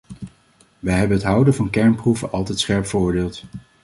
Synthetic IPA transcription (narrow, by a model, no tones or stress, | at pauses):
ʋəjɦɛbənɦətɦʌwdəvɑnkɛɹnpruvənʔɑlˠtɛjtsχɛɹpfəɹʊːɹdeːlˠt